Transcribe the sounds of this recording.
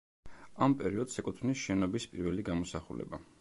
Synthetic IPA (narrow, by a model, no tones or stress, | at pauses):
ampʼɛɾiɔd̪sɛkʼut̪ʰvnisʃɛnɔbispʼiɾvɛliɡamɔsaχṵlɛ̰ba